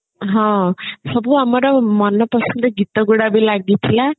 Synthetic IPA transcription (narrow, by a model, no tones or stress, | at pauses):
ɦɔ̃sʌbuamʌɾɔmʌnːʌpʌsʌnd̪ʌɡit̪ɔɡuɽabejlaɡ̚d̪it̪ʰila